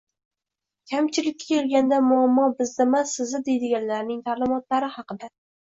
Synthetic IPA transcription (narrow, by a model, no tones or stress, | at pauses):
kʲʰamt͡ʃʰɪlɪkʲːakʲeɾɡʲand̪amʊamːɒbɪzd̪ɪmasɪzɪd̪e̞jd̪ɪɡʲanlaɾnɪŋt̪ʰaɾlˠɪmɒt̪laɾɪhɑqɨd̪a